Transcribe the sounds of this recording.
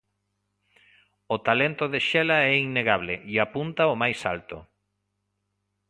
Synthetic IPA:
ʊt̪alent̪ʊðeʃɛlɐɛiŋnːeɣaβ̞lɪ̰ʔiapunt̪ɐomajsa̰lt̪ʊ̰

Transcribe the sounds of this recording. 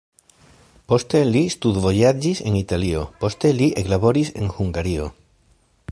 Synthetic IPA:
po̞st̪e̞list̪ud̪vo̞jad͡ʒise̞nitalio̞̰po̞st̪e̞liʔeklabo̞ɾise̞̰nhuŋɡaɾio̞

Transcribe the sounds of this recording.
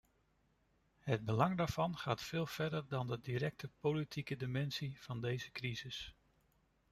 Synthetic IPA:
ɦəd̚bəlɑŋdaːɹv̥ɑnχaːtfɪːlˠv̥ɛɹdəɹdɑndədiɾɛk̚tʰəpolitʰikədimɛnsiv̥ɑndejzəkrizɪs

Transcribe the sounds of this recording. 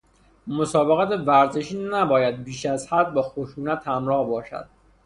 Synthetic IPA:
mosɒːbe̞ɣæt̪ʰevæɾze̞ʃiːnæbɒːjæd̪̚biːʃæzhæd̪̚bɒːxoʃuːnæt̪hæmɾɒːhbɒːʃæ̰d̪̥

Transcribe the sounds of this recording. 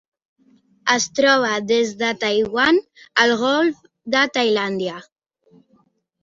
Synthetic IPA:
əst̪ɾɔβ̞aðezðət̪ajɣwanəlɣɔlf | d̪ət̪ajland̪ja

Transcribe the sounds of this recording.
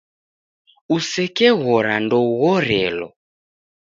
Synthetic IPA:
usɛkɛɣɔɾandɔuɣɔɾɛlɔ̰

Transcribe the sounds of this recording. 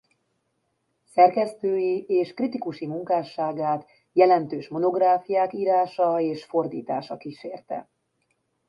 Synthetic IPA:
sɛrkɛst̪øːjieːʃkrit̪ikuʃimuŋkaːʃaːɡaːt̪ | jɛlɛnt̪øːʃmo̞no̞ɡraːfijaːkiːɾaːʃɒeːʃfo̞rd̪ḭːt̪a̰ːʃɒkiʃeːrt̪ɛ̰

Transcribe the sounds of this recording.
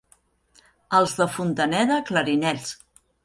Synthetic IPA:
əlˠzðəfunt̪ənɛðəkləɾinɛʎʲs

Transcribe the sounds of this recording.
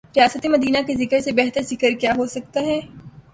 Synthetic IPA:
ɾijaːsət̪emɐd̪iːnakezɪkəɾsebɛɦt̪əɾzɪkəɾkjaːɦosɐk̚t̪aɦɛː

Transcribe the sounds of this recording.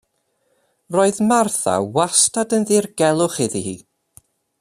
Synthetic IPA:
roːɨðmarθa̰wastadənðɪrɡ̥ɛlˠʊχɪðihḭː

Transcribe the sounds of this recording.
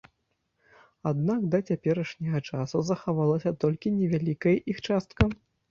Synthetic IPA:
ad̪nakd̪ɐt͡sʲapʲɛɾɐʂnʲɐɣɐt͡ʂasuzɐxavalˠɐsʲɐt̪ɔlʲkʲinʲɛvʲalʲikɐjʔixt͡ʂast̪kɐ

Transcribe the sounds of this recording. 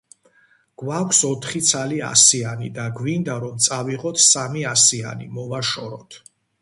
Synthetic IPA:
ɡ̥wakʷʰsɔt̪ʰχit̪sʰalia̰sianid̪aɡwind̪aɾɔmt̪sʼaviʁɔt̪ʰsamiasia̰nḭmɔvaʃɔɾɔ̰t̪ʰ

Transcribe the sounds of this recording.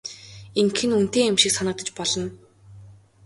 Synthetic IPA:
iŋkxɘ̆nun̥t̪eːamʃĭːksanə̆k̚t̪ə̆t͡ɕpɔɮɞ̆n

